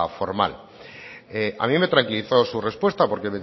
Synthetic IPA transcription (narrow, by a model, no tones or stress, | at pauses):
fo̞ɾma̰l | eʔa̰mĩme̞t̪ɾaŋkiliθo̞sure̞spwe̞st̪apo̞ɾkeme